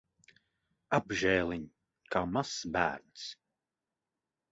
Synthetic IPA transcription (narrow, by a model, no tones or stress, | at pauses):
abʒɛːlˠiɲ | kaːmasbæ̰ːɾns